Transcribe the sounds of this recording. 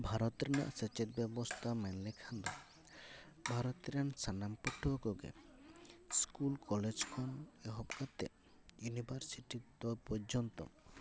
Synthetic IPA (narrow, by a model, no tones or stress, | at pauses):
bʱaɾɔt̪ɾena̰ʔset͡ʃet̪̚bɛbɔst̪ʰamenlekʰand̪ɔ̰ | bʱaɾɔt̪ɾansanampɔʈʰːukoɡḛ | skulkɔled͡ʒkʰɔneɦɔbkat̪ḛ | junibʱaɾsiʈid̪opɔɾd͡ʒɔnt̪ɔ̰